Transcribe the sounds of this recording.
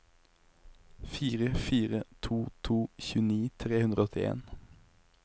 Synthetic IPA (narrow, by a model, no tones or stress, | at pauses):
fiːʁəfiːʁət̪ʰuːt̪ʰuːçʉːniːt̪ʰʁeːhʉnʁəɔt̪ʰɪḛːn